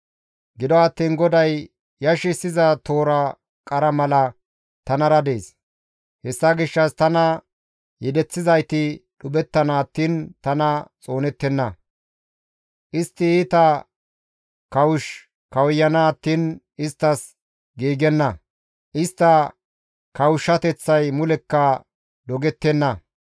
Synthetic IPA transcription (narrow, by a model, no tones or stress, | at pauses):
ɡɪd̪ɔɐt̪ːiːnɡɔd̪ɐj | jɐʃɪsːɪzɐt̪ʰo̞ːɾɐ | kʼɐɾɐmɐlɐ | t̪ɐnɐɾɐd̪e̞ːs | hɛsːɐɡɪʃːɐst̪ɐnɐ | jɛd̪ɛt͡sːɪzɐjt̪ɪɗʊbɛt̪ːɐnaːt̪ːɪnt̪ɐnɐt͡sʼo̞ːnɛt̪ːɛnːɐ | ʔɪst̪ːɪiːt̪ɐ | kɐwʊʃ | kɐwjːɐnaːt̪ːinʔɪst̪ːɐs | ɡiːɡɛnːɐ | ʔɪst̪ːɐ | kɐwʊʃːɐt̪ɛt͡sːɐjmʊlɛkːɐ | d̪ɔɡɛt̪ːɛnːɐ